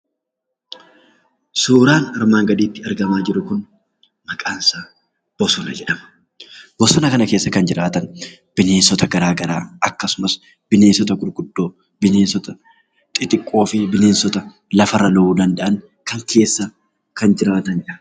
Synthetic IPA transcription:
suːɾaːnɐɾmaːŋɡɐd̪iːt̪ːɪɐɾɡɐmaːd͡ʒɪɾʊkʊn | mɐkʼaːnsaː | b̥ɔsɔnɐd͡ʒɛᶑɐmɐ̥ | b̥ɔsɔnɐkɐnɐke̞ːsːɐkɐnd͡ʒɪɾaːt̪ɐn | b̥ɪne̞ːnsɔt̪ɐɡɐɾaːɡɐɾa̰ːɐkːɐsʊmɐs | b̥ɪne̞ːnsɔt̪ɐɡʊɾɡʊd̪ːo̞ː | bɪneːnsɔt̪ɐ | t̪ʼɪt̪ʼɪkʼːo̞ːfɪbɪneːnsɔt̪ɐ | lɐfɐrːɐlɐuːd̪ɐnd̪ɐʔɐn | kɐŋkʰe̞ːsːɐ | kɐnd͡ʒɪɾaːt̪ɐnɐ

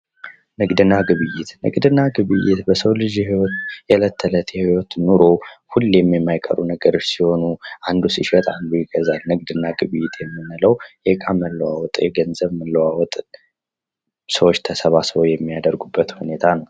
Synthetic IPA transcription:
nɨkd̪ɨnaɡɨβɨjːɪt̪nɨ̰ɡʼd̪ɨnaɡɨβɨjːɪt̪bəsəwlɨʒjɛhiwot̪jɛlət̪ʰːələt̪jɛhiwot̪nuɾo̞hulːjɛmːjɛmːajkʼə̰ɾunəɡəɾo̞t͡ʃːsiho̞nuʔand̪usiʃɛt̪ʼand̪ujɪɡəzalnɨɡʼd̪ɨnːaɡɨβɨjːɪt̪ʰjɛmːɨnːɨləwjɛkʼaməlːəwawɔt̪ʼjɛɡənzəβməlːəwawɔt̪ʼ | səwot͡ʃːt̪ʰəsəβasɨβowjɛmːijad̪əɾɡubːət̪hune̞t̪ʰanəw

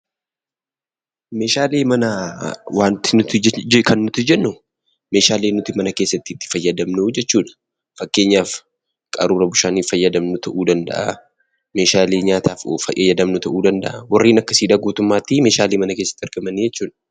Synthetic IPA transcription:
me̞ːʃaːleːmɐnɐwʔaːnt̪ɪnʊkɐnːʊt̪ɪd͡ʒɛnːʊ | me̞ːʃaːleːnːʊt̪ɪmɐnɐkeːsːɐt̪ːɪːt̪ːɪ̥fɐjːɐd̪ɐmnud͡ʒɛt͡ʃːuːᶑɐ̥ | fɐkːe̞ːɲːaːf | kʼɐ̰ɾuːɾɐbʊʃaːniːfɐjːɐd̪ɐmnʊt̪ʰɐʔuːd̪ɐnd̪ɐ̰ʔɐ | me̞ːʃaːleːɲaːt̪aːfo̰fɐ̰jʔɐjːɐd̪ɐmnʊt̪ɐʔuːd̪ɐnd̪ɐ̰ʔɐwɐrːiːnɐkːɐsiːd̪ᶑ̪aːɡuːt̪ʊmːaːt̪ːime̞ːʃaːleːmɐnɐke̞ːsːɐ̥t̪ːɪɐɾɡɐmɐniːd͡ʒɛt͡ʃːuːᶑɐ̥

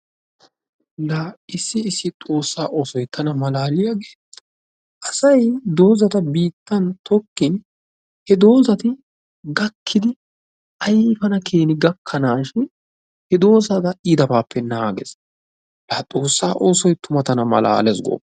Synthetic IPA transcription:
lɐɪsːɪːsːɪt̪ʼo̞ːsːaːʔo̞ːsɔjt̪ʰɐnɐmɐlaːlɪjaːɡeː | ʔɐsɐjd̪o̞ːzɐt̪ɐbiːt̪ːɐnt̪ʰɔkːɪn | hɛd̪o̞ːzɐt̪ɪ | ɡɐkʰːɪd̪ɪ | ʔɐjfɐnɐkʰe̞ːnɪɡɐkʰːɐnaːʃɪn | hɛd̪o̞ːsɐd̪ɐɪd̪ɐbaːpʰːɛnaaːɡɛ̰s | lɐt̪ʼo̞ːsːaːʔo̞ːsɔjt̪ʰʊmɐt̪ɐnɐmɐ̰la̰ːlɛsɡo̰ːpː

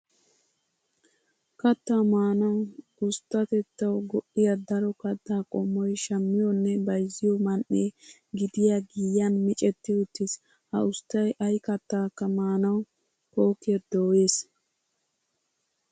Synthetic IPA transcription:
kɐt̪ːaːmaːnɐwʊst̪ːɐt̪ɛt̪ːɐwɡɔʔɪjad̪ɐɾɔkɐt̪ːaːkʼɔmːɔjʃɐmːɪjɔnːɛbɐjzːɪjɔmɐnʔeː | ɡɪd̪ɪjaɡiːjɐnmɪt͡ʃʼɛt̪ːɪʊt̪ːɪs | hɐ̰ʊst̪ːɐjʔɐjkɐt̪ːaːkːɐmaːnɐw | koːkːɪɛɾd̪oːjeːs

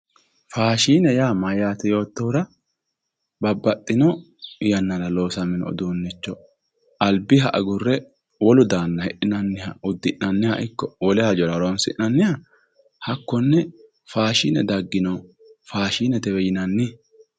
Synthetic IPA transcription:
faːʃiːnɛjaːmɐjːaːt̪ɛjo̞ːt̪ːɔʊɾɐ | bɐbːɐt̪ʼːɪnɔ | jɐnːɐnɐlo̞ːsɐmɪnɔ̰d̪uːnːɪt͡ʃːɔ | ʔɐlbɪɦɐʔɐɡʊrːɛ | wɔlʊd̪aːnːɐhɛʔɪnɐnːɪhɐʊd̪ːɪʔnɐnːɪhaʔɪkːɔwɔlɛhɐd͡ʒɔɾɐɾonsɪʔɐnːɪjɐ | hɐkːɔnːɛ | faːʃiːnɛ̰d̪ɐɡːɪnɔ | faːʃiːnɛt̪ɛwɛjɪnɐnːɪ

